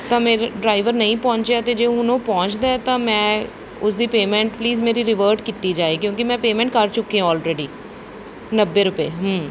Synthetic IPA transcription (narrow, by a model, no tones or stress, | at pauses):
t̪ãːmeːɾɖɾaːɪʋəɾnəĩːpɔ̃ːt͡ʃaːt̪eːd͡ʒeːɦʊnõːpɔ̃ːɲt͡ʃd̪aːɛːt̪ãːmɛ̃ː | ʊsd̪iːpeːmɛ̃ːɳʈpliːzmeːɾiːɾɪʋəːɾʈkiːt̪iːd͡ʒaːeːkjõːkɪmɛ̃ːpeːmɛ̃ːɳʈ̚kəɾt͡ʃʊkːiãːɔːlɾeːɖiː | nəbːeːɾʊpeːɦəː